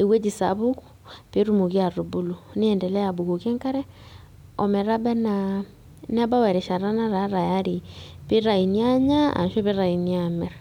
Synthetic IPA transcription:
e˨wɛ˦d͡ʒi˨sa̰˨βu˦ku̥ | pe˦ɾu˦mo˨ɣi˦a˨ɾu˨bu˦lu˨ne˦ɛ˨ndɛ˨lɛ˦ja˨βu˨ɣo˨kɛ˦ŋka˦ɾɛ˦ | ɔ˨mɛ˨ɾa˦bɛ˦na˨ | nɛ˦ba˦wɛ˨ɾɛ˨ʃa˨ɾa˦na˦ɾa˨˦ɾa˨ja˦ɾi˨pe˦ɾa˨i˨nja˦ɲa˦a̰˨nʃɔ˦βe˦ɾa˨i˨nia˨mɛ˨ɾ

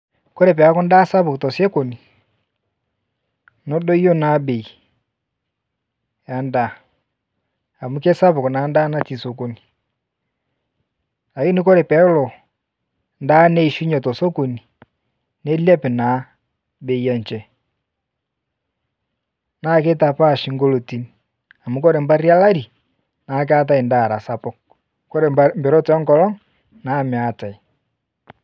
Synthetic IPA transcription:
ko˦ɾɛ˨p̬ɛ˨a˦kɔ˦nda˦sa˦βu˨ktɔ˨sɛ˦ko˨ni˨ | nɔ˦dɔ˦i˦ɔ˦na˨˦be˨i˨ | ja˨nda˨ | a˨mu˦kɛ˦sa˦βu˨kna˨˦nda˦na˦ti˨so˨ko˨ni˨ | la˨ki˦ni˦ko˦ɾɛ˨pɛ˨˦lɔ˨ | nda˦nɛ˦i˨ʃu˦ɲɔ˨tɔ˨so˦ko˨ni˨ | ne˦li˦lɛ˦pɛ˨na˨˦ | be˦i˦a˦n˨t͡ʃɛ˦ | na˦˨k̬e˦ta˨pa˦˨ʃi˨ŋɡo˦lo˨ti˦ni˨ | a˨mu˨kɔ˦ɾe˨mba˦ɾi˦a˦la˦ɾi˨ | naː˨k̬a˦t̬a˦i˨nda˦˨ɾa˨sa˨pɔ˦ | kɔ˦ɾe˨mbɛ˨ɾɔ˦tɛ˨ɔ˦ŋkɔ˨˦lɔ˦ŋ | na˨me˨a˨ta˨i˨

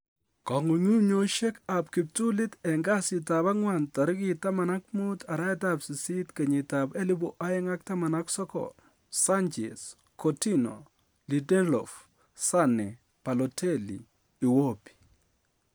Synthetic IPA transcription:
kɔ˨ŋu˨ŋu˦ɲo˦ʃe˦ka˨pki˨p̚tu˦lɪ˦tɛ˨ŋɡa˦sɪ˨ta˨ba˦ŋwa˨nta˨ɾki˦ta˦ma˨na˦kmu˦tʰa˨ɾa˦ɛ˦ta˦psi˨si˦tkɐ˨ɲɪ˨tabɛ˦li˦bu˨ʔa˦jɪ˦ŋa˦k̚ta˦ma˨na˦ksɔ˦kɔ̰ | sa˦nt͡ʃḛ˨s | kɔti˦no̰˨ | li˨dɛ˦lɔ̰˨f | sa˦nɛ˨ | pa˨lɔ˨tʰɛ˦lḭː˨ | wo˦pi̥˨

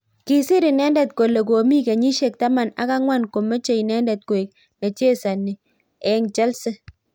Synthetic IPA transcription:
ki˦sɪ˦ɾɪ˨nɛ˦ndɛ˨t̚ko˨le˨ko˨mi˦ke˨ɲi˦ʃe˨k̚ta˦ma˨na̰˦ka˦ŋwa˦nko˨mə˦t͡ʃe˨i˨nɛ˦ndɛ˨t̚ko˨e˨k̚ | ne˨t͡ʃe˦sa˨nɪ˨ | ɛ˦ŋt͡ʃɛ˦lsɪ˦

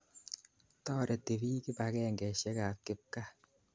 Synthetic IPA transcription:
tɔ˦ɾɛ˨te˨bi˦ki˦bakɛ˦ŋɡɛ˨ʃɛ˦ka˨kɪ˦p̚ka˦

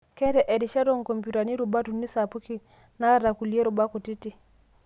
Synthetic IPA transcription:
kɛ˦ɾɛ˨ʔe˨di˨ʃa˦dɔ˦ŋ˨ko˨mpu˨ta˨ni˦ɾu˨ba˦tu˨nːi˦sa˨pu˦ki˦ | na˦ɾa˨ku˨li˨e˦ɾu˨ba˦ko˨ti˦ti˦˨

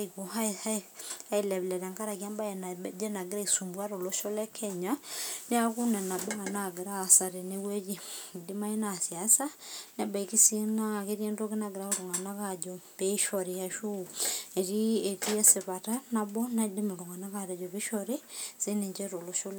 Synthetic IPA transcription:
ikoa˦a˦a˦i˦lɛ˨βlɛ˨ɾa˨ŋka˦ɾa˨kia˦mba˦jnd͡ʒɛ˦na˨ɡe˦ɾa˦isu˨mbwa˦ɾo˨lo˦ʃo˦lɛ˦kʰɛɲa˦ne˦a˦ku˦nɛ˨na˨bɔ˦a˨naɡe˨ɾasa˨ɾe˨newe˦d͡ʒi˦di˦ma˦i˦nasjasa˦n˦a˨ba˨i˨ki˦si˦nake˦ɾjɛ˦ndo˦ke˦naɡe˨ɾao˦ɾoŋa˨na˦kad͡ʒɔbeʃɔɾija˨ʃu˦e˨ɾi˦e˨ti˦ɛ˦se˨βa˨ta˦na˨bɔ˦na˦di˦mo˨ɾo˨ŋa˨na˦kaɾɛ˨d͡ʒɔ˨βe˦ʃɔɾi˦si˦ne˨ɲd͡ʒɛɾo˨lo˦ʃo˦l

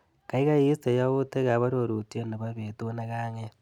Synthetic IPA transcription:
ka˨ika˦ji˦ste˨jaβu˦te˦ɣa˨βa˦ɾo˨ɾu˨tio˦na˨βa˦βe˨tona˦ɣaŋe˦

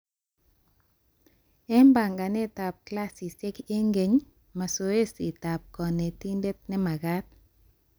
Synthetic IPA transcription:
ɛ˦mba˨ŋɡa˨nɛ˦˨ta˨p̚kla˦si˨se˦ke˦ŋɡe˨ɲ | ma˨so˨e˦si˨ta˨p̚kɔ˨nɛ˨ti˦nde˦t̪̚nɛ˦ma˨ɡa˦t̪̚

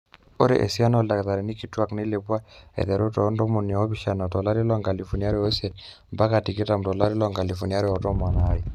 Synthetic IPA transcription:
o̰˦ɾḛ˨ʔḛ˨sja˦nɔ˦la˨kta˨ɾe˨ni˦ki˨twa˦kne˦le˨pwa˦ḛ˨ðɛ˨ɾo˦tɔ˨˦ndɔ˦mo˨n˨a˨ɔ˦βi˨ʃa˨na˨tɔ˨la˦ɾi˦lɔ˦ŋɡa˨li˨fo˨nja˦ɾe˦o˦se˨t | mba˦ka˨ti˨ke˦ta˨m̩˨tɔ˨la˦ɾi˦lɔ˦ŋɡa˨li˨fo˨nja˦ɾɛ˦ɔ˨tɔ˦mwa˨na˨˦ji˨

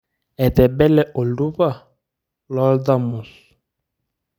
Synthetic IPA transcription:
ɛ˨tɛ˨bɛ˦lɛ˦ʔo˨lu˦va˦˨ | lɔ˦lda˦˨mu˨s

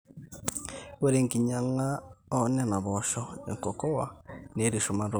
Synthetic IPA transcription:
we˦ɾe˨ŋɡi˨ɲa˨ŋa˦ɔ˦nɛ˦na˨βɔʃɔ˦ḛ˨ŋkɔ˨kɔ˦wa˨ne˦ɾi˨ʃo˨ma˦ɾo˦

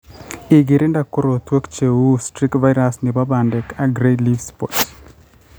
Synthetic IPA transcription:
i˨ɡi˨ɾi˦nda˨ko˦ɾot̪wo˦kt͡ʃewu˦stɾi˦kva˦jɾasnɪ˨babandɛkaɡɾelivspɔ̰ts

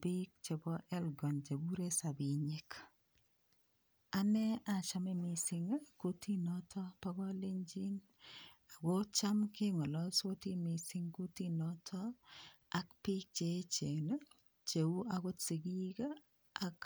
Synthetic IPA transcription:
bi˦k̚t͡ʃe˨bɔ˦ʔɛ˦lɡɔ˨nt͡ʃe˨ɡu˦ɾe˦sa˨bi˨ɲe˦k | a˦nɛ˦a˨t͡ʃa˦me˦mi˨sɪ˨ŋ˦ku˦ti˦nɔ˦tʰɔ˦pa˦ɡɔ˦le˦ɲd͡ʒi˦n | a˨ɡɔ˦t͡ʃa˦mkɪ˦ŋɔ˨lɔ˦so˦ti˦mi˨sɪ˦ŋku˦ti˦nɔ˦tʰɔ˦ | a˦kpi˦k̚t͡ʃe˨˦t͡ʃe˨na˦ | t͡ʃe˨u˦a˨ɡo˦tsi˨ɡi˦ka˦ | a˨k

